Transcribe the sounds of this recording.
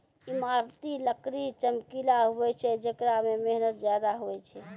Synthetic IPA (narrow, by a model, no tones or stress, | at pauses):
imaɾt̪iləkɾit͡ʃəmkilaɦowɛt͡ʃʰɛd͡ʒəkɾamemeɦnət̪d͡ʒjad̪aɦoɛt͡ʃʰɛ